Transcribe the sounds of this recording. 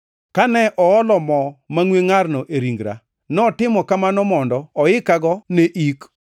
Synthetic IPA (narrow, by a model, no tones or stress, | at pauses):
kanɛʔɔɔlɔmɔmaŋweŋarnɔʔeɾiŋɡɾa̰ | nɔtɪmɔkamanɔmɔndɔɔɪkaɡɔneʔik